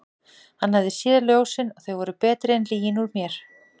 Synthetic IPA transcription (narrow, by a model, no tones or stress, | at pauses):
hanːhavðɪsjɛːðaljoːwsɪnɔɣθœɥɣvɔɾʏpɛːt̪ɾɪɛnliːjɪnuɾmjɛɾ̥